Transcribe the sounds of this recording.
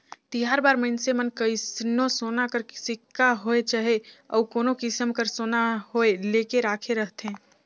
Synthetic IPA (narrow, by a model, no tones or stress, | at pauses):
t̪iɦaːɾbaːɾməɪnsemənkəisnõsoːnakəɾsɪkːaɦoet͡ʃaɦeɔ̰ːkoːnokɪsəmkəɾsoːnaɦoeleːkeɾaːkʰeɾəɦt̪ɦẽː